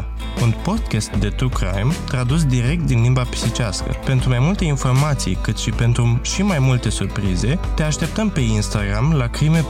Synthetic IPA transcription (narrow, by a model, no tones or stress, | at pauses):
unpo̞d̪kʲest̪̚d̪et̪ukɾa̰jmt̪ɾad̪us̬d̪iɾe̞k̚t̪̚d̪inlimbapi̥sit͡ʃaskə̰pe̞nt̪ɾumajmult̪e̞info̞rmat̪sḭjkɨt̪ʃipe̞nt̪ɾuʃimajmult̪e̞surpɾize̞t̪e̞aʃt̪e̞p̚t̪əmpe̞inst̪aɡɾamlakɾime̞